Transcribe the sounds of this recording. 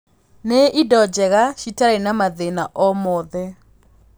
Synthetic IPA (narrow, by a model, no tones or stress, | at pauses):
neʔidɔd͡ʒɛɣaʃitaɾɛnamaðenaʔɔmɔðɛ